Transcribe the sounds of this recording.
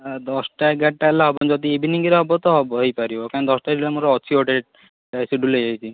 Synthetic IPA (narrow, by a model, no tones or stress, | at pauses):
d̪ɔsʈaɛɡaʈʈaɛlaɦɔbɔnd͡ʒɔd̪iebʱiniɡiɾeɦɔbɔt̪ɔɦɔbɔɦejpaɾibɔkand̪ɔsʈaɖilamuɾɔɔt͡ʃʰioʈeʈ̚ | siɖulejajt͡ʃʰi